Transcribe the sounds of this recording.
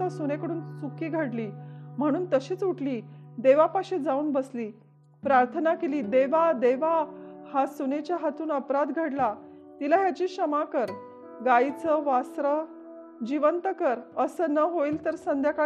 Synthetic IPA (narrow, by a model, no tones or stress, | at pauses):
asunekəɽuːnt͡sukiːɡʱəɽliːm̤əɽ̃uːnt̪əɕiːt͡suʈʰliːd̪eʋapaɕed͡zauːnbəsliː | pɾaɾt̪ʰənakeliːd̪eʋad̪eʋahasunet͡ɕjaɦat̪uːnəpɾad̪ɡʱəɽla | t̪ilaɦjat͡ɕiːɕəmakəɾ | ɡait͡səʋasɾə | d͡ʑiʋənt̪əkəɾəsənəɦoiːlt̪əɾsənd̪ʱjaka